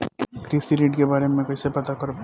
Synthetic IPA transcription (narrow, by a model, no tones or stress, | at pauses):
kɾiːsiɾiːɖkebaːɾemẽkot͡ʃsepɐt̪akɐɾ